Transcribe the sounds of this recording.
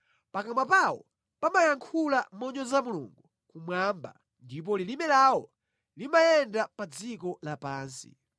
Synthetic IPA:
pakamapawɔ̰ | pamajaŋkʰulamɔɲɔzamulṵŋɡu | kumwamba̰ | ndip̬ɔlilimɛlawɔ | limajɛndapad͡zikɔlapaːnsḭ

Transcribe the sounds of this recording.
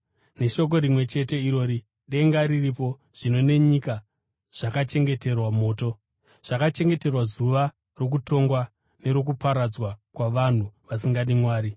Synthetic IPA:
ne̞ʃo̞k̬o̞ɾimwe̞t͡ʃe̞te̞iɾo̞ːɾi | ɗe̞ŋɡaɾiripo̞ | ʐ̥ino̞ne̞ɲika | ʐ̥akat͡ʃe̞ŋɡe̞te̞rwamo̞ːto̞ | ʐ̥akat͡ʃe̞ŋɡe̞te̞rwazuʋa | ro̞k̬uto̞ŋɡwa | ne̞ɾo̞k̬upaɾad͡zwakwaʋan̤uʋasiŋɡaɗimwaːɾi

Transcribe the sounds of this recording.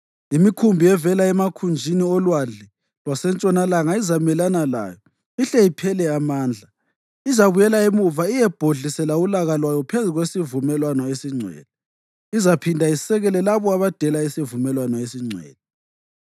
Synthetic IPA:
imikʰumbʱiɛvɛlaɛmakʰund͡ʒʱiniɔlwaɮɛ | lwasɛnt͡ʃʼɔnalaŋaizamɛlanala̰ːjɔ | iɬɛipʰɛlɛamaːnd͡ɮʱa | izaβujɛlaemuvaijɛb̥ʱoɮisɛlaulaɣalwajɔpʰezuɣwesivumɛlwanɔesiŋ͡ǀʱwɛ̰ːlɔ | izapʰindʱaisɛɣɛlɛlaβɔaβad̥ʱɛlaisivumɛlwanɔesiŋ͡ǀʱwɛ̰ːlɔ

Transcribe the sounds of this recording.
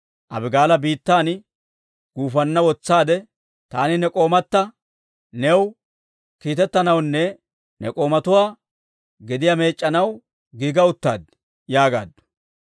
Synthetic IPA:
ʔɐ̰bɪɡaːlɐbiːt̪ːaːn | ɡ̥uːfɐnːɐwɔt͡sːaːd̪ɛ | t̪aːnɪnɛkʼo̞ːmɐt̪ːɐ | nɛw | kiːt̪ɛt̪ːɐnɐwnːɛ | nɛ̰kʼo̞ːmɐt̪ʊwaː | ɡɛd̪ɪjame̞ːt͡ʃʼːɐnɐw | ɡiːɡɐʊt̪ːa̰ːd̪ | jaːɡa̰ːd̪ːʊ̥

